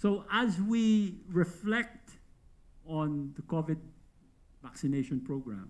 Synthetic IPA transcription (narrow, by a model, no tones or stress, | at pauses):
soʊʔæzwiɹɪflɛk̚t | ɔ̃nðəkɔvɪd̚ | vaksɪneɪʃɔ̃npɹoʊɡɹã̰m